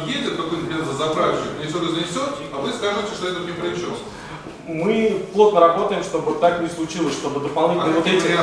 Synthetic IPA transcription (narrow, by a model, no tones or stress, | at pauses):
jedʲɪt̪̚kɐkojnd̪ʲazəzɐpɾafʲɕʊjt̪ʲnʲɪsʲot̪ɨzənʲɪsʲot̪ʲ | ɐvɨsk̪aɐjtʲɪʂt̪oɛt̪əɪmpɾəɪɕ | mɨplˠo̞t̪̚nəɾɐbo̞t̪əjɪmʂt̪o̞bɨt̪aknʲɪslˠʊt͡ɕilˠəsʲʂt̪o̞bɨd̪əpɐlˠnʲitʲnəvt̪etʲɪɾʲa